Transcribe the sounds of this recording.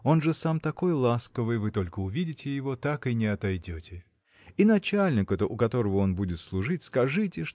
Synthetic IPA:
o̞nʐɨsamt̪ɐko̞jlˠaskəvɨjvɨt̪o̞lʲkəʊvʲidʲɪtʲɪjɪvo̞t̪akɨnʲɪɐt̪ɐjdʲotʲɪ | inɐt͡ɕalʲnʲɪkɛt̪əʔʊkɐt̪o̞ɾəvəo̞nbudʲɪt̪slˠʊʐɨtʲskɐʐɨtʲɪʂ

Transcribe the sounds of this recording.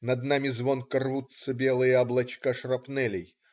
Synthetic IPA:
nɐd̪namʲɪzvonkɐrvut̪səbʲelˠɨjəɐblˠɐt͡ɕkaʂrɐpnɛlʲɪj

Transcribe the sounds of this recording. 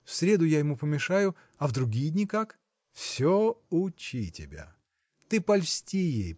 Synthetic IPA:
fsʲɾʲe̞d̪ʊjajɪmupəmʲɪʂajʊ | ɐvd̪ɾʊɡʲijdʲnʲikak | fsʲoʊt͡ɕitʲɪbʲa̰ | t̪ɨpɐlʲsʲtʲijḛj

